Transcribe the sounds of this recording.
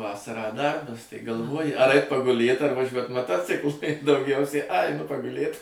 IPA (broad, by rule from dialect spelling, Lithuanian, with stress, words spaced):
ˈʋɑːsɐrɑː ˈdɐrbɐs tɐɪ ɡɐlˠˈʋoːjɪ ɐr ˈɐɪt pɐɡʊˈlʲeːt ɐr ʋɐˈʒʲuɔt mɐˈtoːt͡sʲɪklˠʊ ɪ dɐʊˈɡʲɛʊsʲɛɪ ɐ ɐɪˈnʊ pɐɡʊˈlʲeːt